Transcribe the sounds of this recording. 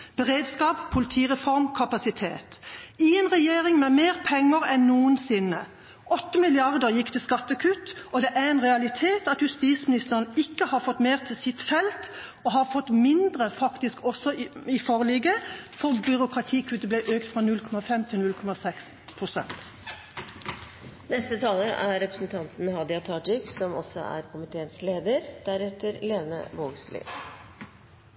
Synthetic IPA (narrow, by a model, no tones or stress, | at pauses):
b̥əʁeːd̪skɑːppʰʊlɪt̪ʰiːʁɛfɔʁmkʰɑpɑsɪt̪ʰḛːt̪ɪɛnʁɛjeːɾɪŋmɛmeːʁpʰɛŋːəɾɛnːuːənsɪnːə | ʔɔt̪ːəmɪlɪɑʁd̪əɾjɪkːt̪ʰɪlskɑt̪ːəkʰʉt̪ɔd̪ɛʔæʁɛnʁɛɑlɪt̪ʰeːt̪ɑt̪jʉst̪iːsmɪnɪst̪əʁnəɪkːəhɑʁfɔt̪ːmeːʁt̪ʰɪlsɪt̪fɛlt̪ | ɔɦɑɾfɔt̪ːmɪnd̪ʁəfɑkt̪ɪskɔsːɔɪfoːʁəliːɡəfɔʁbʏɾʊkʰʁɑt̪ʰiːkʰʉːt̪əblɛʔøːkt̪fʁɑnʉlkʰɔmɑfɛmt̪ʰɪnʉlkʰɔmɑsɛks | pʰʁʊsɛ̰nt̪ | nɛst̪ət̪ʰɑːləʔæɾɾɛpɾəsn̩t̪ʰɑnt̪n̩hɑd̪ɪɑt̪ʰɑːʈɪksɔmɔ̰sɔ̰æ̰ɾkʰʊmɪt̪ʰeːənsleːd̪əɾd̪̥æɾɛt̪əɾleːnə̰ʋoːɡslɪ̰